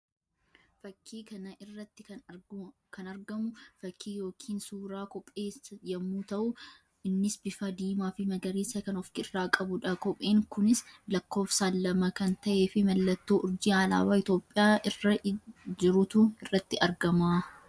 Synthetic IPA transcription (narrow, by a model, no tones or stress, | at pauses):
fɐkʰːiːkɐnɐʔɪrːɐt̪ːɪɐ | kʰɐnɐɾɡɐmʊfɐkʰːiːjo̞ːkʰiːnsuːɾaːkɔpʼːeːsjɐmːuːt̪ɐʔʊ | ɪnːɪsbɪfɐd̪iːmaːfɪmɐɡɐɾiːsɐkɐnɔfkɪrːaːkʼɐbʊᶑɐkɔpʼʔeːŋkʊnɪslɐkːo̞ːfsaːlːɐmɐkɐnt̪ɐʔeːfɪmɐlːɐt̪ːo̞ːʔʊɾd͡ʒiːaːla̰ːbaːɪt̪o̞ːpʼːɪjaːʔɪrːɐd͡ʒɪɾʊt̪ʊɪrːɐt̪ːɪʔɐɾɡɐmaː